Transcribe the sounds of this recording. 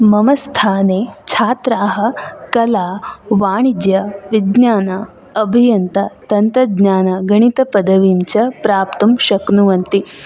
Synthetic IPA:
mɐmɐst̪ʰaːneːt͡ʃʰaːt̪ɾaːɦɐ̆kɐlaːʋaːɳid̪jɐʋid̪naːnɐ | ɐbʱijɐnt̪ɐt̪ɐnt̪ɐd̪ɲaːnɐɡɐɳ̃it̪ɐpɐd̪ɐʋiːmt͡ʃɐpɾaːpt̪umʃɐknuʋɐnt̪i

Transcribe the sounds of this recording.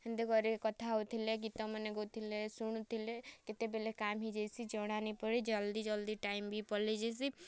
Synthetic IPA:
ɦind̪eɡɔɾikɔt̪ʰaɦot̪ʰileɡit̪ɔməneɡot̪ʰilesuɽ̃ut̪ʰileket̪ebelekamɦid͡ʒejsid͡ʒɔɽ̃anipɔɾid͡ʒəld̪id͡ʒəld̪iʈaimbʱipɔɾled͡ʒes̬i

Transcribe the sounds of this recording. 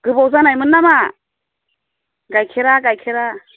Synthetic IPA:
ɡ̥ɯbawzanajmɯnːama | ɡajkʰeɾaɡajkʰeɾa

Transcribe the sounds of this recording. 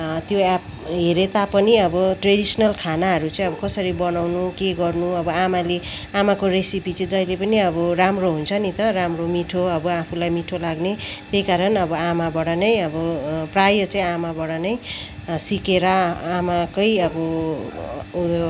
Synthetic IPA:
t̪joap | ɦeɾet̪apʌniʌbʌʈreɽisʌnʌlkʰanaɦʌɾut͡sãĩʌbʌkʌsʌɾibʌnawnukeɡʌrnuʌbʌamaleamakoresipit͡sʌĩd͡zʌjlepʌniʌbʌramroɦunt͡sʰʌnit̪ʌɾamromiʈʰoʌbʌapʰulajmiʈʰolaɡnet̪jejkaɾʌnʌbʌamabʌɽanʌjʌbʌprajʌt͡saĩamabʌɽanʌjsikeɾʌamakʌjʌbʌ

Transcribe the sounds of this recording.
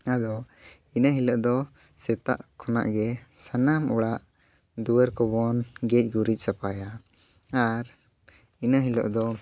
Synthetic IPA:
ad̪ɔ | inaɦilɔʔd̪ɔ | sɛt̪a̰ʔkʰɔna̰ʔɡɛsanamuɽaʔ | d̪uəɾkɔbɔnɡɛc̚ɡuɾic̚ˀsapaja | aɾ | inaɦilɔ̰ʔd̪ɔ

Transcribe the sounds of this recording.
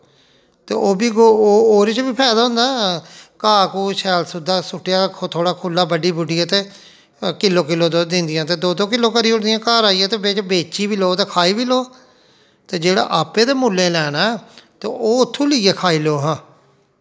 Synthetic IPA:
t̪ḛːʔoːbiːɡoːoːɾeːt͡ʃbiːpʰɛːd̪aːɦʊ̃nd̪aːkaːkuːʃɛːlsʊd̪aːsʊʈːjaːkʰt̪ʰoːɽaːkʰʊlːaːbəɖiːbʊɖiːaːt̪eː | kɪlːoːkɪloːd̪od̪ɪ̃nd̪ɪjãːt̪eːd̪oːd̪õːkɪlːõːkəɾiːʊɽd̪ɪjãːkaːɾaːijaːt̪eːbeːt͡ʃbeːt͡ʃiːbiːloːt̪eːkʰaːiːbiːloː | t̪eːd͡ʒeːɽa̰ːʔaːpeːd̪eːmuːlːeːlɛːnaːt̪eːʔoːʊt̪ʰːũːlɪːeːkʰaːiːloːɦãː

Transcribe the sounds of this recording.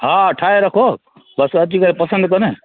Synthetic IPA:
ɦãʈʰaːeɾəkʰo | bəsɐt͡ʃikəɾepɐsə̃nd̪̚kɐne

